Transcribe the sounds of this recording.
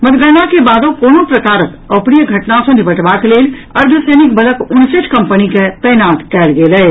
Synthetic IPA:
mɐt̪ɡəːnakebaːd̪õkoːnõpɾɐkaːɾək | ɔːpɾijəɡʱɐʈnasõnɪbəʈʋakleːlɐɾd̪ʱəsɛːnɪkbɐləkʊnsɪt͡ʃkɐ̃mpənikep̪ɛːnaːt̪kɛːlɡeːlɛː

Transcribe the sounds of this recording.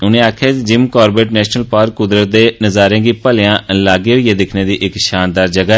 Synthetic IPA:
ʊnẽːaːkʰjaːt̪ed͡ʒɪmkɔːɾbeːʈnɛːʃnəlpaːɾkːʊd̪ɾət̪̚d̪eːnəzaːɾẽːɡiːpəlɪjãːlaːɡeːɦoiːeːd̪ɪkʰneːd̪iːʔɪkʃaːnd̪aːɾd͡ʒəɡaː

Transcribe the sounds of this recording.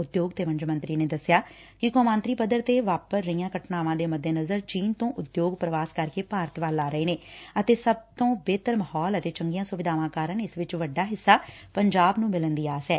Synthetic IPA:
ʊd̪joːɡt̪eːʋəɲd͡ʒmənt̪ɾiːneːd̪əsjaː | kɪkoːmãːnt̪ɾiːpəd̪əɾt̪eːʋaːpəsɾəijãːkəʈnaːʋãːd̪eːməd̪ːeːnəzəɾt͡ʃiːnt̪õːʔʊd̪joːɡpɾəʋaːskəɾkeːpaːɾət̪ʋaːlaːɾəeːneːət̪eːsəb̚t̪õːbeːt̪əɾməhɔːlət̪eːt͡ʃəŋɡijãːsʊʋɪd̪aːʋãːkaːɾənɪsʋɪt͡ʃʋəɖaːɦɪsːaː | pəɲd͡ʒaːbnũːmɪlənd̪iːaːsɛː

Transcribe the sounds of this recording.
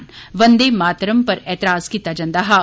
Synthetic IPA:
nʋənd̪eːmaːt̪ɾəmpəɾɛːt̪ɪɾaːskiːt̪ːaːd͡ʒãːnd̪aːɦaː

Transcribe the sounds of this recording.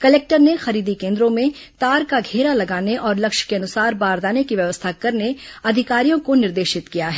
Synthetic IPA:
kɐleːk̚ʈəɾnexɐɾiːd̪ikẽːnd̪ɾõmẽt̪aːɾkaɡʱeːɾalɐɡaːneʔɔːɾlɐkʃkeɐnʊsaːɾbaːɾd̪aːnekiʋjɐʋəst̪ʰakɐɾneɐd̪ʱɪkaːɾijõkonɪɾd̪eːʃɪt̪kijaɦɛː

